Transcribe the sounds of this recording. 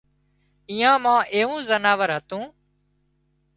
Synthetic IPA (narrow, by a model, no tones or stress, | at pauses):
iːãːmãːʔeːũːzənaːʋəɾɦət̪ũː